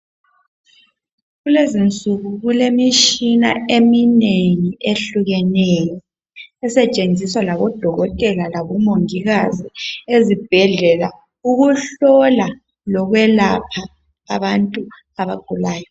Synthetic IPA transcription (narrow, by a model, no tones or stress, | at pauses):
ɣulezint͡sʼuɣuɣulemiʃina̰emineŋiʔeɬuɣɛnɛjɔ | ɛsɛt͡ʃʼend͡zʱiswalaβɔd̥ʱɔɣɔtʼɛlalaβɔmoŋiɣaziezib̥ʱɛɮɛla | uɣuɬɔla | lɔɣwɛlapʰaː | βantʼu | aβaɡ̥ʱulaːjɔ